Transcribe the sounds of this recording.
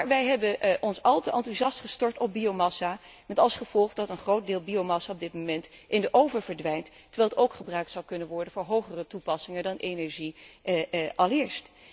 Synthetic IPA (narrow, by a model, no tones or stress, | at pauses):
aɹʋɛjɦɛbəʔɔnsɑlˠtəʔɑntuzɑstχəstɔɹtɔb̚biowmɑsa | mɛtɑlˠsχəv̥ɔlˠχdɑtənχrowt̚dɪːlˠbiowmɑsaɔb̚dɪtmomɛntʔɪndəʔowvəɹvəɹdʋɛjnt | əɹʋɛːlˠətowkχəbrœɥk̚tsɑwkɵnənʋɔɹdənvʊːɹɦowχərətupɑsɪŋəndɑnʔenɛɹʒi | ʔɑlˠɪːɹst